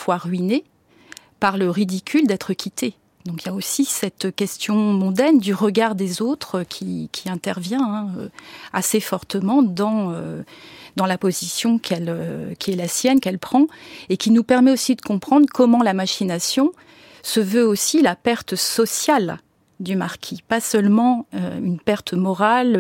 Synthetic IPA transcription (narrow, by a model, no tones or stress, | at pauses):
fwaʁɥine | paʁləʁid̪ikʲʰyld̪ɛt̪χəkʰʲit̪e | d̪ɔ̃kiljaosisɛt̪kʲɛst̪jɔ̃mɔ̃d̪ɛnd̪yʁəɡaʁd̪ezot̪χkʲʰikʲʰiɛ̃t̪ɛʁvjɛ̃ɛ̃øasefɔʁt̪əmɑ̃d̪ɑ̃ø | d̪ɑ̃lapozisjɔ̃kʰɛløkʲiɛlasjɛnkɛlpχɑ̃ekʲinupɛʁmɛosid̪əkɔ̃pχɑ̃d̪ʁkɔmɑ̃lamaʃinasjɔ̃ | səvøosilapɛʁt̪sɔsjal | d̪ymaʁkʲʰipasœlmɑ̃ø̰ynpɛʁt̪mɔʁal